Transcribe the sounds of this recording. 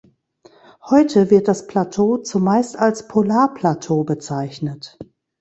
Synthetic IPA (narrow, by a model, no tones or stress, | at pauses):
hɔʏtʰəvɪɐt̚d̥aspʰl̥atʰoːt͡sumaɪstalspʰolaːɐpʰl̥atʰoːbət͡saɪçnət